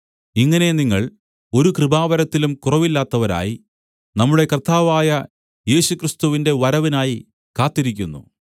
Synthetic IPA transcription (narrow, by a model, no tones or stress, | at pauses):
iŋːɐne̞niŋːɐɭ | o̞ɾukrɨbaːʋɐɾɐt̪ːilumkurɐʋilːaːt̪ːɐʋɐɾa̰ːji | nɐmːuɽe̞kɐrt̪ːaːʋaːjɐ | je̞ːɕukrist̪uʋinde̞ʋɐɾɐʋinaːji | kaːt̪ːiɾikʲːunːṵ